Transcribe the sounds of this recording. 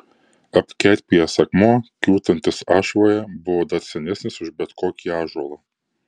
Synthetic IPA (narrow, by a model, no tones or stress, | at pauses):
ɐpʲkʲɛːt̪ʲpʲijɛsɐkmoːkʲuːt̪ɐnʲt̪ʲɪsɑːʃʋoːjɛbʊʋoːd̪ɐt̪sʲɛnʲɛsʲnʲɪsʊʒbʲɛt̪koːkʲiːɑːʒuɔlˠɐ